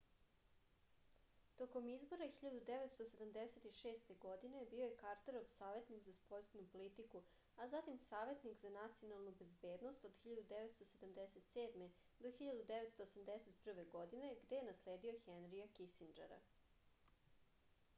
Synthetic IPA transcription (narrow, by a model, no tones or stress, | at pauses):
t̪o̞ko̞mizbo̞ɾaxiʎad̪ud̪eʋet̪st̪ose̞d̪amd̪eset̪iʃeːst̪e̞ɡo̞d̪ine̞bioje̞kaɾt̪eɾo̞ʋsaːʋe̞t̪nikzaspojsenupo̞lit̪iku | azat̪imsaːʋe̞t̪nikzanat̪sijo̞nalˠnube̞zbe̞ːd̪nost̪od̪xiʎad̪ud̪eʋet̪st̪o̞se̞d̪amd̪eset̪seːd̪me | d̪o̞xiʎad̪ud̪eʋet̪st̪oːsamd̪eset̪pr̩ʋe̞ɡo̞d̪ine̞ɡd̪ejenasle̞ːd̪io̞xenɾiakisind͡ʒeɾa̰